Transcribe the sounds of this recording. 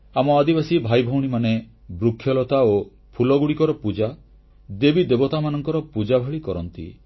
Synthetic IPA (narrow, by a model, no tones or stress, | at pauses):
amɔad̪ibasibʱajbʱɔwɽ̃imane | bɾukʰːjɔlɔt̪ao | pʰulɔɡuɽikɔɾɔpud͡ʒa | d̪ebid̪ebɔt̪amanɔŋkɔɾɔpud͡ʒabʱeɭikɔɾɔnt̪ḭ